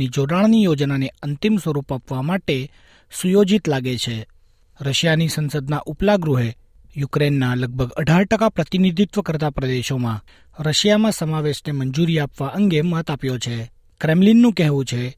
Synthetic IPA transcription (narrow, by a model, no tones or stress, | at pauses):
nid͡ʒoɽaɭnijod͡ʒnaneənt̪imsʋəɾupapʋamaʈe | sujod͡ʒit̪laɡet͡ʃʰe | ɾəʃjanisənsəd̪naʔuplaɡɾuɦe | jukɾenːaləɡ̚bʱəɡəɖʱaɾʈəkapɾət̪inid̪ʱit̪ʋəkəɾt̪apɾəd̪eʃomã | ɾəʃjamãsəmaʋeʃnemənd͡ʒuɾiapʋaʔəŋɡemət̪apjot͡ʃʰe | kɾemlinːũkɛɦʋũt͡ʃʰe